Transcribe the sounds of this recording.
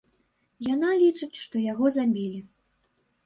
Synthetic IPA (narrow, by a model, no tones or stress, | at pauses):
janalʲit͡ʂɨt͡sʲʂt̪ɔjaɣɔzamʲilʲi